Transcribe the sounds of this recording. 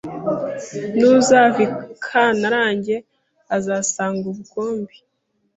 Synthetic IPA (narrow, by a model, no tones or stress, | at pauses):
nuzavikʰanaɾaːɲɟe̞ | azaːsaːŋɡuβuɡo̞ːmbi